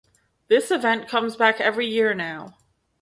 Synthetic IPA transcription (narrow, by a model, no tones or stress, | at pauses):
ðɪsɨvɛ̃nkʰʌ̃mzbækɛvɹijɪɹnaʊ